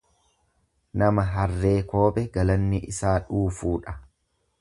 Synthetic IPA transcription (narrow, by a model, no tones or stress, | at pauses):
nɐmɐɦɐrːe̞ːko̞ːɓʼɛɡɐlɐnːɪʔɪsaːᶑuːfuːᶑɐ̥